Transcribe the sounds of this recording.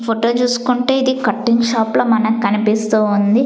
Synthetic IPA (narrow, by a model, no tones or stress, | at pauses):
pʰoʈoːt͡ʃuːsu̥kuɳʈeːid̪ikɐʈːiŋʃaːploːmɐnɐkkɐnipist̪uːund̪i